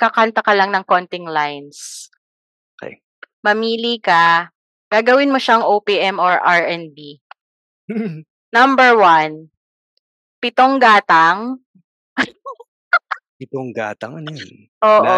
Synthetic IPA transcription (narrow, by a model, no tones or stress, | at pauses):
kɐkant̪ɐkɐlɐŋnɐŋkont̪ɪŋlajns | ʔokɛ̰j | mɐmiːlikɐ | ɡ̥aːɡɐwɪnmoʃaɐŋʔowpiʔɛmɔɹʔaɹʔɛnbi | nɐmbɛɹwan | pɪt̪oŋɡaːt̪ɐŋ | pɪt̪oŋɡa̰ːt̪ɐŋɐnjn | ʔoːʔo